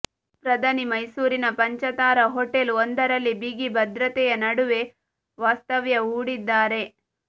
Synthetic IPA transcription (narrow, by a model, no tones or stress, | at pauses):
pɾɐd̪ʱɐnimɐjsuːɾinɐpɐɲt͡ʃɐt̪aːɾɐɦoʈelond̪ɐɾɐlːibiɡibɐd̪ɾɐt̪ɛjɐnɐɽuʋe | ʋaːst̪ɐʋjɐuːɽid̪ːaːɾe̞